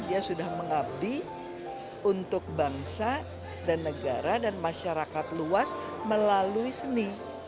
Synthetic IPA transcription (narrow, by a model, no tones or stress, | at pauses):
diasudahməŋab̚di | unt̪ʊk̚baŋsa | danːəɡaɾadanmaʃaɾakat̪luas | məlaluisəni